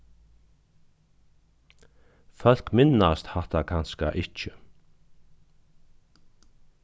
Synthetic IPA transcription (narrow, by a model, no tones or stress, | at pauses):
fœl̥kmɪnast̪hat̪akʰanska̰ʔɪt͡ʃə